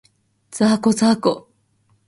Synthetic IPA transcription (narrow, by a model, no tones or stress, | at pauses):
d͡zaːkozaːko